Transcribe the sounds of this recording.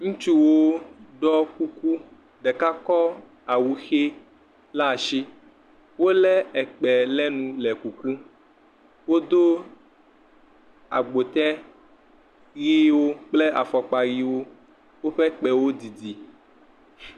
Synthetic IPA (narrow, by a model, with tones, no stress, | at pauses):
ŋũ˦t͡ʃu˦wo˦ɖɔ˦ku˦ku˦ | ɖɛ˨ka˦kɔ˦ | a˨wu˨xe˦ | la˦˨ʃi˦ | wo˦lɛ˦ɛ˨k͡pɛ˨lɛ˦nũ˨lɛ˨ku˨ku˦ | wo˦d̪o˦ | a̰˨ɡ͡bo˨t̪ɛ˦ | ɣi˦wo˦k͡ple˦ʔa̰˨fɔ˨k͡pa˨ɣi˦wo˦ | wo˦ɸɛ˦k͡pɛ˨wo˦di˨di˨